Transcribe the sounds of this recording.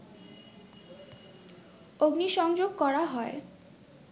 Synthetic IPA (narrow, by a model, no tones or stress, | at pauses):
oɡniʃɔŋd͡ʑoɡ̚kɔɾaɦɔe